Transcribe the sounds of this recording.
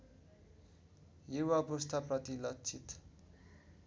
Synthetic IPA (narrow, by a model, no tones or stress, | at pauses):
juwapust̪ʰaprʌt̪ilʌkt͡sʰit̪